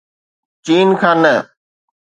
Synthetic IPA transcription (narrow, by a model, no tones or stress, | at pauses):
t͡ʃiːnkʰãːnːə